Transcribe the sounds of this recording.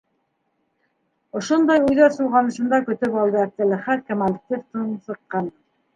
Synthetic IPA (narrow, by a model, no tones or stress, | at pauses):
ŏʃond̪ɑjʉjðæɾsulˠʁɑnɤ̆ʃɤ̆nd̪ɑkɵ̆t̪ɵpɑlˠd̪ɤæk̚t̪ːɘ̆lɘ̆χæt̪̚kæmalt̪iɾt̪unsɤ̆qːɑn